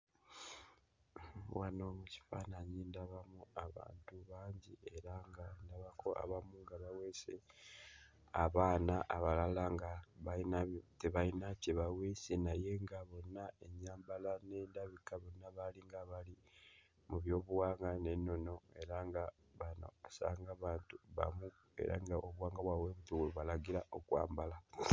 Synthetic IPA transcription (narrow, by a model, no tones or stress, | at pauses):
wano̞muci̥faːnaɲindaβamuaβa̰ːntuβaːɲɟie̞ɾaŋɡandaβakʰo̞ʔa̰βamuŋɡaβawese | aβaːnaʔːβalalaŋɡaβainateβainaceβawesenaje̞ŋɡaβo̞nːae̞ɲaːmbalane̞ːndaβikaβo̞nːaβaliŋɡaβali | muβjo̞ːβuwaːŋɡane̞nːo̞no̞e̞ɾaŋɡa | βano̰asa̰ːŋɡaβaːntuβa̰mu | e̞̰ɾa̰ŋɡaʔoβuwaːŋɡaβwaweβutuweβalaɡiɾaʔo̞kwa̰ːmbala